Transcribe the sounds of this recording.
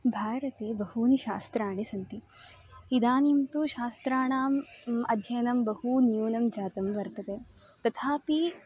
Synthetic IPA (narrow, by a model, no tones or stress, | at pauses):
bʱaːɾɐt̪eːbɐhuːniʃaːst̪ɾaːɳisɐnt̪i | id̪aːnimt̪uʃaːst̪ɾaːɳaːmɐd̪ʱjɐjnɐmbɐɦunjuːnɐmd͡ʒaːt̪ɐmʋɐɾt̪ɐt̪e | t̪ɐt̪ʰaːpi